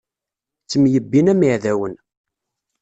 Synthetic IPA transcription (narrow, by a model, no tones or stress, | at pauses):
t͡sːəmjəbːinæmiʕðæwən